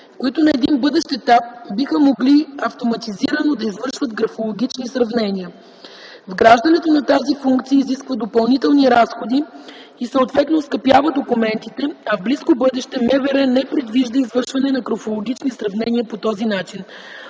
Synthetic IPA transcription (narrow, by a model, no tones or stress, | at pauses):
koit̪onɐɛd̪inbɤd̪ɛʃt̪ɛt̪ap̚bixəmoɡliɐft̪omɐt̪iziɾənod̪ɐizvɤɾʃvət̪ɡɾɐfolˠoɡ̟ʲit͡ʃnisɾɐvnɛniə | vɡɾaʒd̪ɐnɛt̪onɐt̪azifuŋkt̪siəiziskvəd̪opɐlˠnit̪ɛlˠniɾasxod̪iːsəot̪vɛt̪noskɐpjavəd̪okumɛnt̪it̪ɛɐvbliskobɤd̪ɛʃt̪ɛmɛvɛɾɛnɛpɾɛd̪viʒd̪əizvɤɾʃvɐnɛnɐkɾofolˠoɡʲit͡ʃnisɾɐvnɛniəpot̪ɔzinat͡ʃin